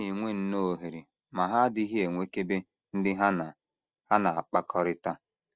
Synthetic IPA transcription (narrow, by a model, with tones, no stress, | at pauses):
i˨ŋʷe˦n̩˦no˦˨ɦe˨ɾi˨ | ma˨ɦa˦dɪ˦ɦi˦e˨ŋʷe˦ke˦be˦ | n̩˦dɪ˦ɦa˦˨ | ha˦na˨a˨k͡pa˦kʰɔ˦ɾɪ˦ta˦